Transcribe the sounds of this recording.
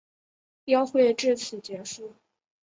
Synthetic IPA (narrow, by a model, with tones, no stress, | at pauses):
jɑ˥ʊxwe˥˧ɪʈ͡ʂɻ̩˥˩t͡sʰɹ̩˨˩t͡ɕjɛ˧˥ʂu˥˩